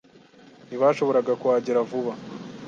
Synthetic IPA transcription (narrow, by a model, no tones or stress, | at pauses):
niβaːʃo̞βo̞ɾaɡakuwaːɟiɾavuβa